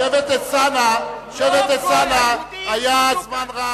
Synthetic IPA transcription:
evet̪esanaʃevet̪esanahajazmanʁa

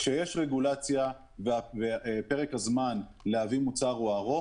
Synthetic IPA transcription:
ʃejeʃʁeɡulat͡sja | vavepe̞ʁekhazman | leavimut͡saʁuaʁo

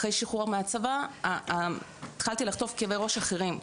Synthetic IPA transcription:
aχʁejʃiχuʁameat͡sava | t̪χalt̪ilaχt̪o̞fkevejʁo̞ʃaχeʁim

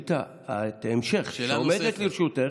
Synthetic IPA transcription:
t̪a | at̪aemʃeχaomedet̪liɾʃut̪e

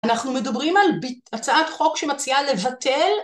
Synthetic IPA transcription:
anaχnumedabʁimalbiat͡saʔatχo̞kʃemat͡siale̞vatʰel

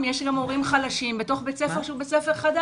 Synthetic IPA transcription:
mjeʃɡamo̞ʁimχalaʃimbeto̞χbet͡sefeʁʃubet͡sefe̞ʁχada

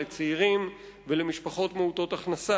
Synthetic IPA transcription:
et͡siiʁim | velemiʃpaχo̞t̪meut̪o̞t̪aχnasa

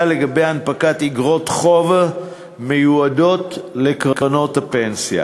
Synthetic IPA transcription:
ale̞ɡabe̞janpakatiɡʁo̞tχo̞v | me̞juado̞tle̞kʁkano̞thapensja̰

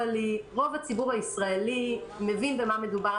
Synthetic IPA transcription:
aliʁo̞vat͡sibuʁhaisʁaeli | mevinbemameduba

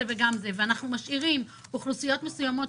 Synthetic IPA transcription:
eveɡamzeveanaχnumaʃiʁim | uχlusijo̞t̪mesujamo̞

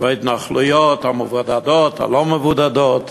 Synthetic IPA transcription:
vaɪdn̩aχlˠʊjɔtaməvɔdadɔtʰa̰lˠɔməvudadɔt

